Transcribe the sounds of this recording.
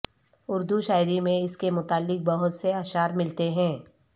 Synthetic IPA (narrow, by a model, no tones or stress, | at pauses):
ʊɾd̪uʃaːɪɾimẽɪskemʊt̪aːlːɪk̚bɐɦʊt̪seaːʃaːɾmɪlt̪eɦɛ̃ː